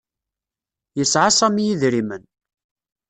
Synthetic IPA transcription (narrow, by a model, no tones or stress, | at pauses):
jəsʕasˤæmijiðɾimən